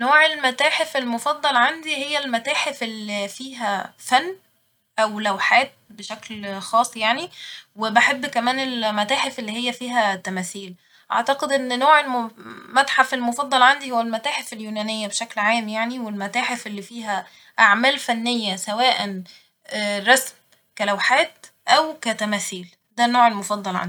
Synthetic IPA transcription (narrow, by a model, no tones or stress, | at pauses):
noːʕelmæt̪æːħefelmofɑd̪ˤːɑlʕand̪ihejːælmæt̪æːħefʔelːifiːɦæfænː | ʔæwlæwħaːt̪̚beʃæklxɑːsˤjaʕniwebaħebːkæmæːnelmæt̪æːħefelːihejːæfiːɦæt̪ːæmæːθiːl | ʔɑ̰ʕt̪ɑqed̪ʔenːnoːʕelmmæt̪ħafelmofɑd̪ˤːɑlʕand̪ihowːælmæt̪æːħefeljuːnænejːæbeʃæklʕaːmjaʕniwelmæt̪æːħefʔelːifiːɦæ | ʔaʕmæːlfænːejːæsæwæːʔænː | ɾˤɑsm | kælæwħaːt̪ | ʔæwkæt̪æmæːθiːl | d̪ænoːʕelmofɑd̪ˤːɑlʕa̰nd̪i